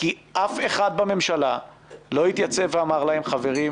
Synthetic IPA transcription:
kiʔafe̞χad̪̚bame̞mʃala | lo̞it̪jat͡seveamaʁlahe̞mχave̞ʁi

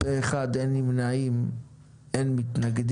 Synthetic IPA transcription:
bɛɛχadɛnɪmnaim | ɛnmɪtnaɡd

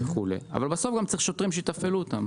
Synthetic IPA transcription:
eχulḛa̰valbaso̞fɡamt͡saʁiχʃo̞t̪ʁimʃejit̪afeluot̪am

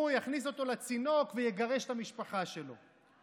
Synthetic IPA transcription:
ujaχniso̞t̪o̞lat͡sino̞kvejeɡaʁe̞ʃt̪amiʃpaχaʃe̞lo̞̰

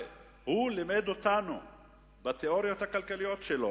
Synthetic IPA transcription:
hulimed̪ot̪anu | bat̪eo̞ʁijo̞t̪hakalkalijo̞t̪ʃelo

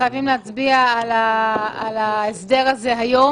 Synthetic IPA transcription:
ajavimleat͡sbiaalaalaesd̪eʁaze̞ɦajo̞

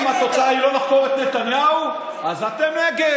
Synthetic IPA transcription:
mhat̪o̞t͡saailo̞naχko̞ʁet̪net̪anjau | azat̪emneɡe

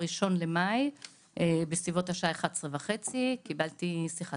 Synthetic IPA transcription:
ʁiʃo̞nlemaj | ʔebesvivo̞thaʃaaeχad̪sʁevaχet͡sikibaltisiχa

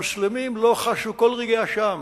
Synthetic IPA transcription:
uslemimloχaʃukolʁeɡeaʃam

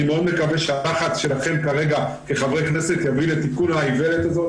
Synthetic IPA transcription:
imeo̞d̪me̞kaveʃealaχat͡sʃelaχe̞mkaʁe̞ɡa | keχavʁejkne̞set̪javilet̪ikunhaivelet̪azo̞

